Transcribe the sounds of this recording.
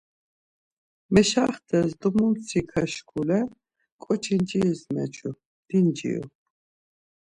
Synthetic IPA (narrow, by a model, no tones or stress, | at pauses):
mɛʃaχt̪ʰɛzd̪umumt͡sʰikʰaʃkʰulɛ | kʼɔt͡ʃʰind͡ʒiːsmɛ̰t͡ʃʰu | d̪̥ind͡ʒḭṵ